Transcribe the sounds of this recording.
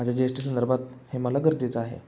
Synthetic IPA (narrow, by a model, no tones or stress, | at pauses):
mad͡ʑʱjad͡ʑeʂʈis̬ənd̪əɾbʱat̪̚heməlaɡəɾd̪et͡səaɦḛ